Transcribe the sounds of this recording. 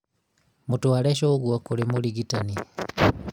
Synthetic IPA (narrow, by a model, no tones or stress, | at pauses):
mutwalɛʃoːɣwakulimuliɡitani